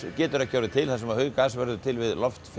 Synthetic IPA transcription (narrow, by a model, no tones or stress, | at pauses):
cɛːt̪ʏɾacʰaːwɾðɪt̪ʰɪlθasɛmaðhœɥkaːsvɛɾðʏt̪ʰɪlvɪðlɔft̪f